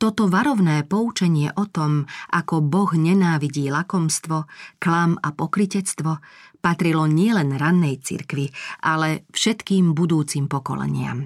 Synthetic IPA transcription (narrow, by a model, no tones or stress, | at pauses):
t̪ɔt̪ɔʋaɾɔʊnɛːpɔut͡ʃɛɲɪɛʔɔt̪ɔmʔakɔbɔɣɲɛnaːʋiɟiːlakɔmst̪ʋɔklamapɔkɾicɛt͡st̪ʋɔpat̪ɾilɔɲɪɛlɛnɾanːɛjt͡sḭɾkʋiʔalɛfʃɛt̪kiːmbud̪uːt͡simpɔkɔ̰lɛ̰ɲɪa̰m